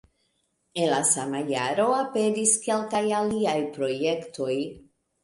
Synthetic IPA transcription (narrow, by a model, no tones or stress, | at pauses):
enlasamajaɾo̞ape̞diske̞lkajaliajpɾo̞je̞ktʰo̞j